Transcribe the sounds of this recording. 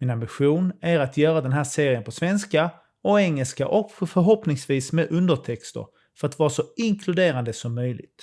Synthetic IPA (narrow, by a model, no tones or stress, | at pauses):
mɪnambɪɧuːnæɾat̪jœːɾad̪ɛnɦæːseːɾɪənpʰɔsvɛnska | ɔɛŋːəlskaʔɔkfœɾɦɔpnɪŋsviːsmɛd̪ʔɵnd̪əʈʰɛkst̪ə̰ɾ | fœɾat̪vɑːɾasɔɪŋkʰlɵd̪eːɾand̪əsɔmːœjlɪ̰ɡt̪